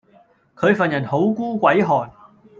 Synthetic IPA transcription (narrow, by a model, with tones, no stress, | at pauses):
kʰɵ˨˧ɥfɐ˨njɐ˨˩nho˨˥wkuː˥kʷɐ˨˥jɦɔː˨˩n